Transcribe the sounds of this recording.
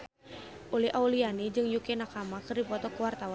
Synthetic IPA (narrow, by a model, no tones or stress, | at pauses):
ʔulɛhʔaulianid͡ʒɨŋjukɛnakamakɨrdipɔt̪ɔkuwart̪awa